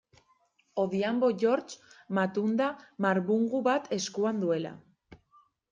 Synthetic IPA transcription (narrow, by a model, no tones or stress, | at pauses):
o̞ðiambo̞ʝo̞ɾt͡ʃmat̪und̪amaɾβuŋɡuβat̪ʰe̞skuand̪ue̞la̰